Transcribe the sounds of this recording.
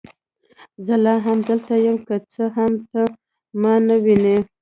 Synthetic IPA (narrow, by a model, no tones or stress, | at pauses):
zəlɑɦamd̪əlt̪ajəmkət͡səɦamt̪ə | mɑnawine